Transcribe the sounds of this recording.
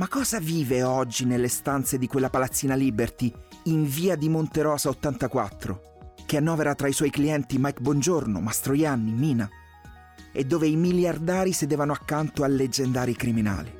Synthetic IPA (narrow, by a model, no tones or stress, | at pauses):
makːɔːzaviːveɔd͡ʒːinelːest̪ant̪sed̪ikwelːapalat̪sːiːnalibert̪iːɱviːad̪imont̪eɾɔːzaot̪ːant̪akwat̪ːɾo̰ | keanːɔːveɾat̪ɾaiswɔːjkliɛnt̪imajkbwɔnd͡ʒorno̰mast̪ɾojanːimiːna | ed̪ːoːveimiljard̪aːɾised̪eːvanoakːant̪oalːed͡ʒːend̪aːɾikɾimina̰ːli